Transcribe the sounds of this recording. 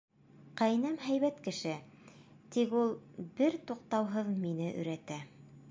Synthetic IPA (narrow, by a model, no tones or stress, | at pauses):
qæjnæmɦæjβæt̪kɘ̆ʃɘ | t̪ikulˠbɘɾt̪uqt̪ɑwɦɤðminɘʔɵ̰̆ɾæt̪æ